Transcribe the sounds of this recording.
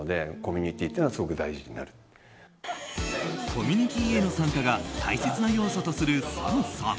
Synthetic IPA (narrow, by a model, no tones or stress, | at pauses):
od̪e̞ko̞mʲiɲ̟it̪ʲːiːt̪ːeːnasɨɡo̞kɯ̟d̪aiʑiɲina̰ɾɯ̟̥ | kʰo̞mʲiɲ̟it̪ʲiːe̞no̞sãŋkaɡat̪ʰa̰ise̞t͡sɨnajo̞ːsot̪o̞sɨɾɯ̟sã̰sã̰